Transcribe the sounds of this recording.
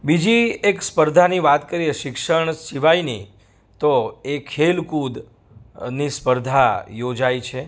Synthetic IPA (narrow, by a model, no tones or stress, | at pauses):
bid͡ʒiekspəɾd̪ʱaniʋat̪kəɾieʃɪkʃəɳʃiʋaini | t̪oekʰelkud̪ | nispəɾd̪ʱajod͡ʒajt͡ʃʰe